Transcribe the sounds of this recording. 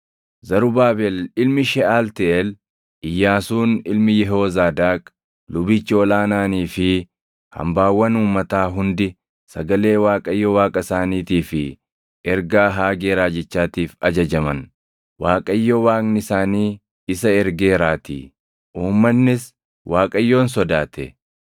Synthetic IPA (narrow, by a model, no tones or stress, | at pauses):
zɐɾʊbaːbɛlɪlmɪʃɛʔaːlt̪ɛʔɛl | ʔɪjːaːsuːnɪlmɪjɛɦoːzaːd̪aːkʼ | lʊbit͡ʃːɪɔlaːnaːniːfɪ | hɐ̰mbaːwːɐnuːmːɐt̪aːɦʊnd̪ɪ | sɐɡɐle̞ːwaːkʼɐjːɔwaːkʼɐsaːniːt̪iːfɪ | ɛɾɡaːɦaːɡe̞ːɾaːd͡ʒɛt͡ʃːaːt̪iːfɐd͡ʒɐd͡ʒɐmɐn | waːkʼɐjːɔwaːknɪsaːniː | ɪsɐɛɾɡe̞ːɾaːt̪ḭː | ʔuːmːɐnːɪs | wʔaːkʼɐjːo̞ːns̬ɔd̪aːt̪ɛ̰